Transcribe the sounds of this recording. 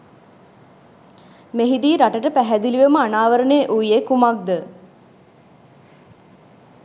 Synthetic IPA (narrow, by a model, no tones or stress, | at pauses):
meɦid̪iːɾaʈəʈəpæɦæd̪iliʋeməanaːʋəɾəneʔuʋijekumak̚d̪ə